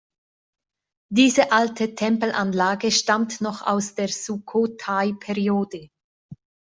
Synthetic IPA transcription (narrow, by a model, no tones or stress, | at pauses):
d̥iːzəʔaltʰətʰɛmpl̩ʔanlaːɡəʃtamtnɔχa̰ʊsd̥eːɐz̥ukʰotʰaɪpʰɛʁioːdə